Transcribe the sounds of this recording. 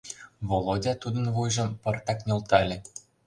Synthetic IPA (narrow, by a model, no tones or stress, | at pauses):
βolˠodʲɑt̪ud̪ɤ̆nβujʒɤ̆mpɤ̆rt̪ɑknʲŏlˠt̪ɑlʲɘ̆